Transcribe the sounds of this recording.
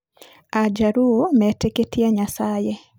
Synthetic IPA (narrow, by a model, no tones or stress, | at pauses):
ad͡ʒaɾuomɛteketiaɲasaje